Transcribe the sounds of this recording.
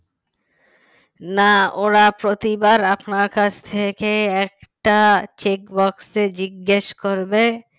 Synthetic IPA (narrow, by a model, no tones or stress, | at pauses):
naoɾapɾot̪ibaɾapnaɾkat͡ɕt̪ʰekeɛkʈat͡ɕekbɔksed͡ʑiɡːeʃkoɾbe